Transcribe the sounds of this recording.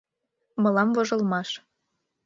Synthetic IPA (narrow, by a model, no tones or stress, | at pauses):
mɤ̆lɑmvŏʒɤ̆lmɑʃ